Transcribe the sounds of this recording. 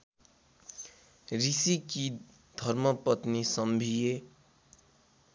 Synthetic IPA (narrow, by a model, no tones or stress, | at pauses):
ɾisiki | d̪ʱʌɾmʌpʌt̪nisʌmbʱije